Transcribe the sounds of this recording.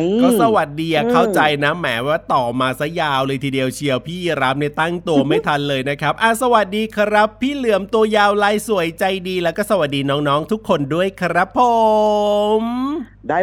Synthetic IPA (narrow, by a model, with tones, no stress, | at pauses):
kɔː˥˩sa˧˩wa˨˩t̪̚diː˧ʔa˨˩kʰa˥˩wt͡ɕa˧jna˦˥mɛ̰ː˩˦waː˥˩t̪ɔː˨˩maː˧sa˦˥jaː˧wlɤː˧jt̪ʰiː˧di˧əwt͡ɕʰi˧əwpʰiː˥˩ji˧˩ɾa˦˥p̚ni˥˩ɐt̪a˥˩ŋt̪u˧ɐma˥˩jt̪ʰa˧nlɤː˧jna˦˥kʰɾa˦˥p̚ʔaː˧˩sa˧wa˨˩t̪̚diː˧kʰɾa˦˥pʰːiː˥˩lɯ˨˩˦əmt̪u˧ɐjaː˧wlaː˧jsu˨˩˦əjt͡ɕa˧jdiː˧lɛː˦˥wkɔː˥˩sa˧wa˨˩t̪̚diː˧nɔː˦˥ŋnɔː˦˥ŋt̪ʰu˦˥kʰːo˧ndu˥˩əjkʰɾa˦˥pʰːo˨˩ | m | d